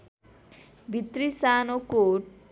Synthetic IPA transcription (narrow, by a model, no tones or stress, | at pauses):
bit̪ɾisanokoʈ